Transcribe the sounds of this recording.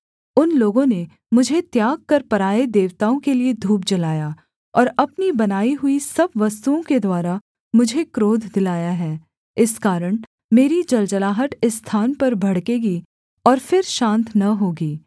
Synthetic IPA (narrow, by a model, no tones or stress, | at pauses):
ʊnloːɡõne | mʊd͡ʒʱet̪jaːɡ̚kɐɾpɐɾaːed̪eːʋt̪aːõkelied̪ʱuːpd͡ʒɐlaːjaː | ɔːɾɐpnibɐnaːiɦʊisɐbʋɐst̪uõked̪waːɾa | mʊd͡ʒʱekɾoːd̪ʱd̪ɪlaːjaɦɛː | ɪskaːɾəɽ̃ | meːɾid͡ʒɐld͡ʒɐlaːɦəʈ̪ɪst̪ʰaːnpɐɾbʱɐɽkeːɡi | ɔːɾfɪɾʃãːnt̪nɐɦoːɡiː